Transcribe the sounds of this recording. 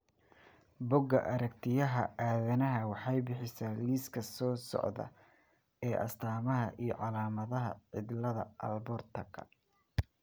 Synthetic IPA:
bʊɡɐʔɐɾɐkt̪ʰɪjɐɦɐ̰ʔaːðɐnɐɦɐwɑħɑjbɪħɪsaːliːskʰɐsɔːsɔ̰ʕðɐ̰ | ɛːʔɐ̰st̪ʰaːmɐɦɐʔijɞʕɑlaːmɐðɐɦɐ̰ʕɪd̪lɐðɐ̰ʔɐ̰lbɔrt̪ʰɐkʰɐ̰

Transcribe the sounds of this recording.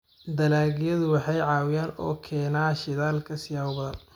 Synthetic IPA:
d̪ɐlaːɣɪjɐðʊwɑħɑjʕɑːwɪjaːnɔ̰ːkʰɛːnaːʃɪðaːlkʰɐsɪjaːwʊbɐðɐn

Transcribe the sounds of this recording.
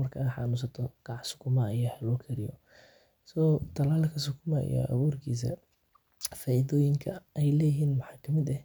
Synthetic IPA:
mɐrkʰɐaħɑ̰nʊːs̬ɐt̪ʰɔɡ̥ɑʕʕsʊ̥kʰʊmɐjɐhɛlɔːkʰɛɾɪjɔ̰ | sɔːt̪ʰɐlaːlkʰɐs̬ʊkʰʊmɐ̰jɔ̰ʔɐ̰βuːrkʰiːs̬ɐ̰ | faːʔiðɔːjɪŋkʰɐɛjlɛːjɦiːnmɐħɑːkʰɐmɪd̪ɛh

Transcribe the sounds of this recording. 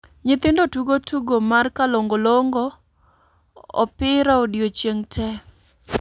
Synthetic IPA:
ɲɪt̪ɪndotuɡotʰuɡomarkaloŋɡoloŋɡo | ɔ̰pɪɾaodjot͡ʃjeŋtʰɛ

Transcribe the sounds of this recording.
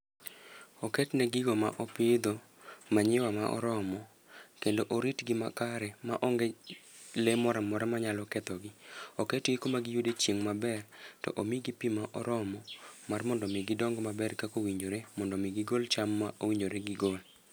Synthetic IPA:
okɛtnɛɡɪɡoma̰ʔopɪd̪o | maɲɪwamaʔɔ̰ɾɔmɔ | kendoʔoɾitɡɪma̰kaɾɛma̰ʔɔŋɡɛlemɔɾamɔɾamaɲalɔkɛt̪ɔɡɪokɛtɡɪkomaɡɪjudet͡ʃjeŋmabɛrtɔ̰ʔomiɡipimaʔɔ̰ɾɔmɔmarmɔndɔmɪɡɪdɔŋɡmabɛrkakowiɲoɾemɔndɔmiɡɪɡolt͡ʃamːaʔowiɲd͡ʒoɾeɡɪɡol

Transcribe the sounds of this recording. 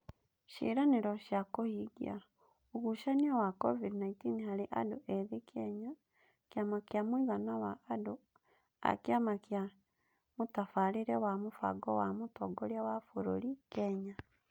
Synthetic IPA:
ʃḭɾaneɾɔʃjakohiɡḭa | oɣuʃaniɔwakɔvidnaitinihaɾeʔa̰doʔɛðekɛɲa | kjamakjamwiɣanawaːdo | a̰kjamakja | mutafaliɾɛwamufa̰ɡɔwamutɔɡoɾjawafoɾoɾikɛɲa

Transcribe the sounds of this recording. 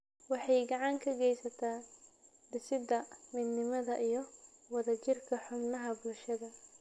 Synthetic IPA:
wɑħɑjɡɑʕɑŋkʰɐɡɛjsɐt̪ʰaː | d̪ɪsɪd̪ɐmɪd̪nɪmɐðɐʔijɞwɑðɐt͡ʃɪrkʰɐħʊbnɐɦɐbʊlʃɐðɐ

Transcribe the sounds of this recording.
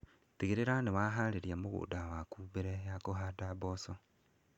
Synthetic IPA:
tiɣiɾeɾanewaːɦaleɾjamuɣṵːdawakuːβeɾejakoɦadaboso

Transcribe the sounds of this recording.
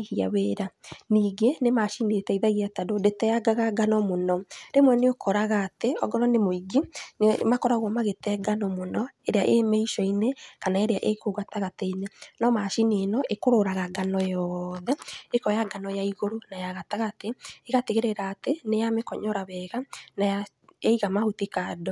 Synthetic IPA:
ɣia̰weːɾaniːɡenemaʃinetɛiðaɣiatadodetɛjaɡaɣaɡanɔmonɔɾemwɛneokʰɔɾaɣaːteɔ̰ɡɔɾɔnemoiɡinmakɔɾaɣwɔmaɣetɛɡanɔmonɔeɾeaʔemɛiʃɔinekanaeɾeaʔekoɣataɣateinenɔmaʃinenɔʔekoɾoɾaɣaɡanɔjɔðɛekɔjaɡanɔjaiɣoɾonajaɣataɣateeɣateɣeɾeɾaːtenejamekɔɲɔɾaβɛɣanaja | aiɣamahutikadɔ

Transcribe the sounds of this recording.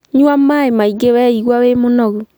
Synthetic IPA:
ɲwamaemaiɡewɛiɣwawemonɔɣu

